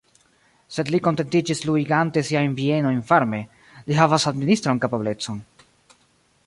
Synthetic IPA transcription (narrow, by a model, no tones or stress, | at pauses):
se̞dliko̞nte̞ntid͡ʒisluiɡante̞siainvie̞no̞jnfaɾme̞ | liɦavasadministɾonkapable̞t͡so̞n